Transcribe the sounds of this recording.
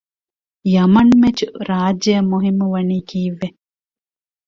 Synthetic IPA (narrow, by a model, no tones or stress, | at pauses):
jɐmɐnmet͡ʃuɾaːd͡ʒɐjɐmuɦimːuʋɐniːkʰiːʋːe